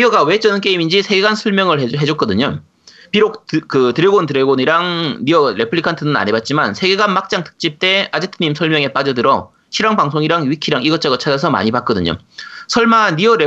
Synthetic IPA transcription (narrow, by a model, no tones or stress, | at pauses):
ʌɡawe̞t͡ɕ͈ʌnɯnk͈e̞imind͡ʑisʰe̞ɡe̞ɡansʰʌɭmjʌŋɯɭeɦe̞d͡ʑʌk͈ʌdɯɲo | piɾok̚tkɯtɯɾjeɡontɯɾeɡoniɾaŋniʌɾe̞pʰɯɭikʰantʰɯnɯna̰ɲebat̚t͡ɕ͈imansʰe̞ɡe̞ɡanmak̚t͡ɕ͈aŋtʰɯ̥k̚t͡ɕ͈ip̚t͈e̞ad͡ʑetʰɯɲimsʰʌɭmjʌŋe̞p͈ad͡ʑʌdɯɾʌ | ɕʰiɾaŋbaŋsʰoŋiɾaŋɥikʰiɾaŋiɡʌt͡ɕ͈aɡʌt͡ɕʰad͡ʑasʰʌma̰ɲibak̚k͈ʌdɯɲo̰ | sʰʌɭmanːiʌɾe